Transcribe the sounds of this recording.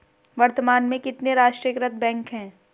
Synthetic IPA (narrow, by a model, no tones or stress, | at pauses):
ʋɐɾt̪əmaːnmẽkɪt̪neɾaːʃʈɾijəkɾət̪̚ʰbɛ̃ːŋkɦɛ̃ː